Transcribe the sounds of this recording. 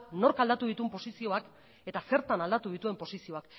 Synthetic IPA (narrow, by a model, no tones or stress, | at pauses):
no̞ɾkald̪at̪uðit̪umpo̞sisio̞ak | e̞t̪ase̞ɾt̪anald̪at̪uð̞it̪ue̞mpo̞sisio̞ak